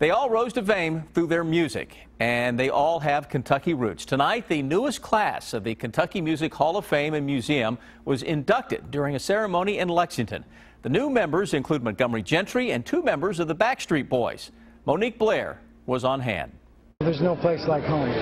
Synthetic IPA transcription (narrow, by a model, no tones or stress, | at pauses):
ðeɪɔlˠɹoʊzdɨ̥fẽɪ̃mθɹuðə˞mjʉzɪ̰k | ɨ̃nðeɪʔɔlˠɨv̥kʰɨ̃ntʰʌkiɹʉ̰tstʰɨnaɪt̪̚ðɨnuəskʰl̥æsʌvðɨkʰɨ̃n̩tʰʌkimjʉzɨkhɔlˠʌv̥fẽɪ̃mɨ̃nmjʉziɨ̃m | wʌzɪ̰̃ndʌk̚tɨ̰dʊɹɪ̃ŋɨsɛɹɨmõʊ̃ñiɨ̃nlɛksɪ̃ŋtʰɨ̰̃n | ðɨnʉmɛ̃mbə˞zɨ̃nkʰl̥ʉd̚mɨɡ̥ʌ̃mid͡ʒɛ̃ntɹ̥iɨ̃ntʰʉmɛ̃mbə˞zʌvðəbækstɹ̥it̚b̥ɔɪz̥ | moʊnik̚b̥lɛɹ | wʌzn̩ɦæ̰̃nd̥ | ðə˞znoʊpʰl̥eɪslaɪkhõ